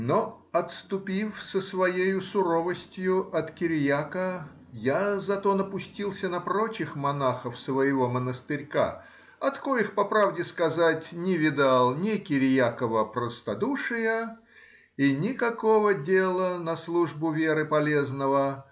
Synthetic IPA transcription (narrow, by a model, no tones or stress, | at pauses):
no | ɐt̪st̪ʊpʲifsəsvɐjejʊsʊɾovəsʲtʲjʊʔɐt̪kʲɪɾʲjakə | jazɐt̪onəpʊsʲtʲilˠsʲənɐpɾot͡ɕɪxmɐnaxəfsvəjɪvo̞mənəst̪ɨɾʲka̰ | ɐt̪kojixpɐpɾavdʲɪskɐzatʲnʲɪvʲɪd̪alˠnʲɪkʲɪɾʲjakəvəpɾəst̪ɐd̪uʂɨjə | inʲɪkɐkovədʲelˠənɐslˠuʐbʊvʲeɾɨpɐlʲe̞znəvə